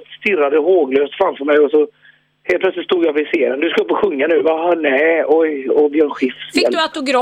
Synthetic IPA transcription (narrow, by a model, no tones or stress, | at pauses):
st̪ɪrːad̪əɦoːɡløːst̪fɾamfœɾmɛjɔsɔ | heːlpʰlœt̪sɪt̪st̪uːd̪javɪseːnənd̪ɵskaɵpːɔɧɵŋːanʉ̟ːvahɑnɛːɔjɔb̪ɪɛnɧɪfselat̪ʊɡɾ